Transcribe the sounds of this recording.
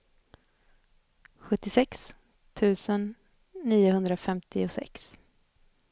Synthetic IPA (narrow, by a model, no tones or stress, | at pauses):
ɧɵt̪ːɪsɛks | t̪ʰʉ̟ːsənː | iːʊɦɵnd̪ɾafɛmt̪ʰɪʊsɛ̰ks